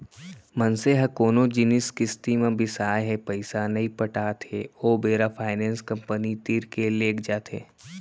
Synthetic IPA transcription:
mɐnseɦɐkoːnõd͡ʒɪnɪskɪst̪imẽbʱɪsaːeɦɛpɐɪsanɐɦĩpəʈaːt̪ʰɦeoːbeːɾapʰaːɪnɛ̃ːnskɐ̃mpənit̪iːɾkeleːkd͡ʒaːt̪ɦḛː

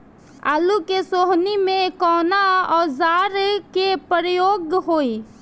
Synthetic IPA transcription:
aːlukesoːɦnimẽkɔːnaɔːzaːɾkepəɾəjoːɡɦoːi

